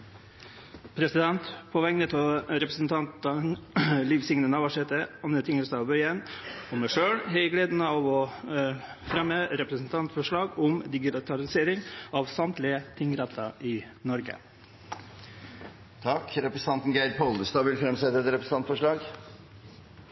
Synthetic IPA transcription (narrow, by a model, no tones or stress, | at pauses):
pʰɾɛsɪd̪ɛnt̪pʰɔʋɛŋnət̪ʰɔɾɛpɾəsn̩t̪ʰɑnt̪ənliːʋsɪŋnənɑʋɑʂɛt̪əɑnət̪ʰɪŋəsɑɑʋbœʏənɔmɛʂøːɽhɛɪɡleːd̪nəɑʋɔ | fɾɛməɾɛpɾəsn̩t̪ʰɑnt̪fɔʂɭɑːɡʊmd̪ɪɡɪt̪ʰɑlɪseːɾɪŋɑːʋsɑmt̪lɪət̪ʰɪŋɾɑt̪ʰːɑɪnɔɾɡə̰ | t̪ʰɑkɾɛpɾəst̪ʰɑnt̪n̩ɡæɪd̪pʰɔlˠd̪əst̪ɑːʋɪlfɾɛmsɛt̪ːəɛt̪ɾɛpɾəsn̩ɑnt̪fɔʂɭɑːɡ